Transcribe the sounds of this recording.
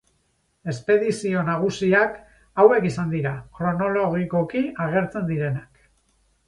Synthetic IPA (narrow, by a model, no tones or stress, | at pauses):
e̞spe̞ðisio̞naɣ̞usiak | awe̞kisand̪iɾakɾo̞no̞lo̞ɣiko̞kiaɣ̞e̞ɾt͡se̞nd̪iɾe̞nak